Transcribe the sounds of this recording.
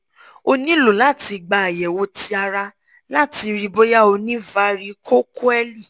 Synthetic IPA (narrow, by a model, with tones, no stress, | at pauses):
o˧nĩ˦lo˨la˦˨ti˧ɡ͡ba˧a˨jɛ˨wo˧ti˧˦a˧ɾa˧ | la˦˨ti˧ɾi˧bo˦ja˦o˧nĩ˦va˧ɾi˧kʰo˦ku˦ɛ˦li˦˨